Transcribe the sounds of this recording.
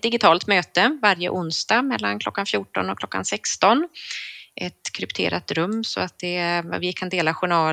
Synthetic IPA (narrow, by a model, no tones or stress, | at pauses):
d̪ɪɡɪt̪ʰɑːlt̪møːt̪əvaɾjə̰ʔʊnsd̪ɑːmɛlːankʰlɔkːanfjuːʈɔ̰nɔkʰlɔkːa̰nsɛkst̪ɔn | ʔɛt̪kʰɾɵpt̪ʰḛːɾat̪ɾɵmːsɔ̰at̪̚d̪ɛvɪkʰand̪eːlaɧʊɳɑː